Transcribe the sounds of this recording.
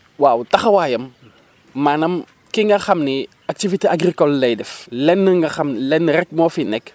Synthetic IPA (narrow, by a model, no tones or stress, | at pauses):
waːwtɐxɐwaːjɐmː | aːnɐm | kiŋɡɐxɐmni | ak̚tiviteaɡɾikɔlːɐjdɛflɛnːəŋɡɐxɐmlɛnːəɾɛk̚mɔːfinɛk